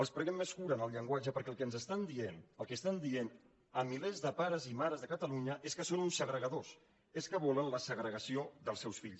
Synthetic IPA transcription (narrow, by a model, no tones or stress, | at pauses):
əlˠspɾəɣɛmːeskuɾəːnəlˠʎəŋɡwad͡ʒəpəɾkɛəlˠkɛənzəst̪and̪ienəlˠkest̪and̪ien | əmilezðəpaɾəzimaɾəzðəkət̪əluɲəʔeskəsonunsəɣɾəɣəðos | eskəβɔlənləsəɣɾəɣəsioðəlˠsɛwsfiʎs